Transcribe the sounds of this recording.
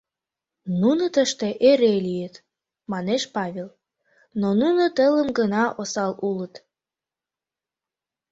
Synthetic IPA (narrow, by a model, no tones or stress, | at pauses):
nunət̪əʃt̪eʔeɾelijət̪ | mɑneʃpɑβʲel | nonunət̪ələmɡənɑʔosɑlulət̪